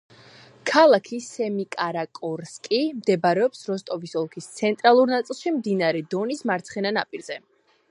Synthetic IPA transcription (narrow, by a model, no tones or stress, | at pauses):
kʰalˠakʰisɛmikʼaɾakʼɔɾskʼimd̪ɛbaɾɛɔpsɾɔst̪ʼɔvisɔlˠkʰist̪sʰɛnt̪ʼɾalˠuɾnat̪sʼilˠʃimd̪inaɾɛd̪ɔnismaɾt̪sʰχɛnanapʼiɾz̥ɛ